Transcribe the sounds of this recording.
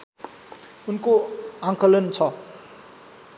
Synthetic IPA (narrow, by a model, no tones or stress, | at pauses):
unkoaŋkʌlʌnt͡sʰʌ